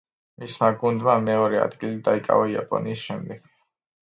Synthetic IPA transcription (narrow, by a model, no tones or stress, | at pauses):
mismaɡund̪mamɛɔɾɛa̰d̪ɡilid̪aikʼa̰vaia̰pʼɔ̰niːsʃɛmd̪ɛɡ̥